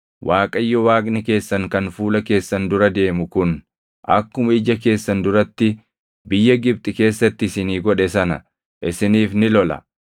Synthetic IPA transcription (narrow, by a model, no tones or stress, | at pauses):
wʔaːkʼɐjːɔwaːkʼnɪke̞ːsːɐŋkɐnfuːlɐke̞ːsːɐnd̪ʊɾɐd̪e̞ːmʊkʊn | ʔɐ̰kːʊmɐɪd͡ʒɐk̬e̞ːsːɐnd̪ʊɾɐt̪ːɪ | bɪjːɐɡɪb̚t̪ʼɪke̞ːsːɐt̪ːɪɪsɪniːɡɔᶑɛsɐnɐ̰ | ʔɪsɪniːfnɪlɔlɐ̰